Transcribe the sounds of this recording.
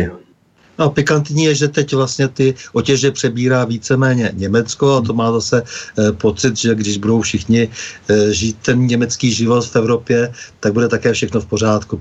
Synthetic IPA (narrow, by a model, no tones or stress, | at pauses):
nopɪkant̪ɲiːjɛʒɛt̪ɛcvlast̪ɲɛt̪ɪʔocɛʒɛpr̥ɛbiːɾaːviːt͡sɛmɛːɲɛɲɛmɛt͡sko̞at̪o̞maːzasɛpo̞t͡sɪt̪ʒɛɡdɪʒbudo̞wfʃɪxɲɪ | ʒiːt̪̚t̪ːɛnɲɛmɛt͡skiːʒɪvo̞t̪fɛvɾo̞pjɛt̪aɡ̚budɛt̪akɛːfʃɛxnofpo̞r̝aːt̪ku